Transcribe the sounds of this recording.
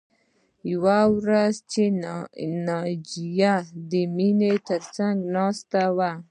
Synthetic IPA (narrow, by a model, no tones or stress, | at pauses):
jawawɾazt͡ʃe | nɑd͡ʒijad̪əminet̪əɾsaŋɡnɑst̪awa